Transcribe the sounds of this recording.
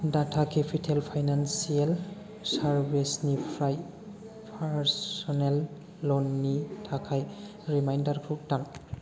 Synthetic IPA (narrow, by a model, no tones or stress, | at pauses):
datʰakʰepʰitʰelpʰajnansial | saɾbesnipʰɾaj | pʰaɾsɔnelː | ɔnːitʰakʰaj | ɾimajndaɾɡɾup̚taŋ